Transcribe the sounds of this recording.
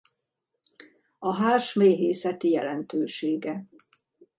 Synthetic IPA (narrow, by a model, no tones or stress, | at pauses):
ɒɦaːʃmeːɦeːsɛt̪ijɛ̰lɛnt̪øːʃeːɡɛ